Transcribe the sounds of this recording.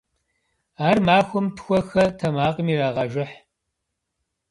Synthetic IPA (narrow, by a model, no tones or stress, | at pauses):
aːrmaːxʷʊmtʰxʷɔxɐtʰɐmaːqʼəmiːɾaːʁɐʒɪħ